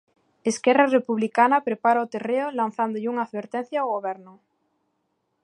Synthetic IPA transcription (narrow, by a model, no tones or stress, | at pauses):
eskɛrarepuβlikanapɾepaɾaot̪ereolanθand̪oʎuŋaːðβeɾt̪ɛn̟θjawɣoβɛɾnʊ